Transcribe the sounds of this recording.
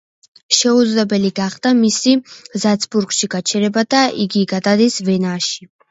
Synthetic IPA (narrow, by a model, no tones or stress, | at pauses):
ʃɛud̪zlɛbɛliɡaχd̪̥amisizat̪sʰbuɾɡʃiɡat͡ʃʰɛɾɛbad̪aʔiɡiɡad̪ad̪isvɛnaʃi